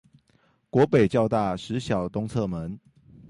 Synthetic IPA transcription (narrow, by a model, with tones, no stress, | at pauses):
kwɔ˧˦˥pe˨˩ɪt͡ɕjɑ˥˧ʊt̪a˥˩˨ʂɻ̩˨˦ɕjɑ˨˩ʊt̪ʊ˦ŋt͡sʰɤ˥˨mə˨˦n